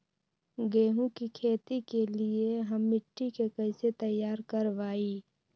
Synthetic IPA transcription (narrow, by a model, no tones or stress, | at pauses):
ɡeːɦũkikʰeːt̪ikelieɦəmːɪʈːikekəɪset̪əjːaːɾkəɾʋaːiː